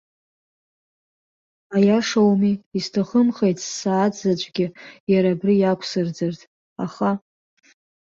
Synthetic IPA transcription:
ajaʂawmiistʰaχəmχejtʰʼsːaːd͡zzat͡ʃʷʼɡʲɪjaɾabrɨjakʷʰsɨrd͡zɨrtʰʼ | aχa

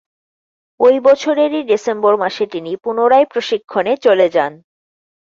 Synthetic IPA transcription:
ojbɔt͡ɕʰoɾeɾiɖisemboɾmaʃet̪inipunoɾajpɾoʃikʰːonet͡ɕoled͡ʑan

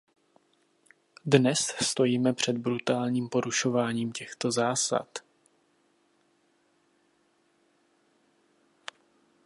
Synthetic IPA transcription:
dnɛsst̪o̞jiːmɛpr̝̥ɛd̪̚bɾut̪aːlɲiːmpo̞ɾuʃo̞vaːɲiːmcɛxt̪o̞zaːsa̰t̪

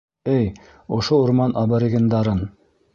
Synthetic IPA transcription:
ɘj | ŏʃouɾmɑnʔɑβɑɾiɡɘ̆nd̪ɑɾɤn

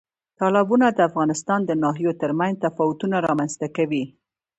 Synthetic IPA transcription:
t̪ɑlɑbunad̪əafɣɑnɪst̪ɑnd̪ənɑɦijot̪əɾmanzt̪afɑwʊt̪unaɾɑmanzt̪akawi

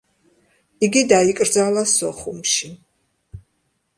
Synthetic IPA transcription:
iɡid̪aikʼɾd̪zalˠasɔχumʃi

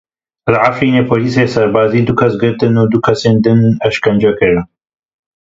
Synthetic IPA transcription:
laʕafɾiːneːpʰoːliːs̬esɐɾbaːziːd̪ukʰɐsɡɨɾt̪ɨnuːd̪ukʰɐseːnd̪ɨnɐʃkɐnd͡ʒɐkɨɾ

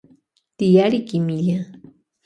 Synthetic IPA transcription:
t̪ijaɾikimiʎa

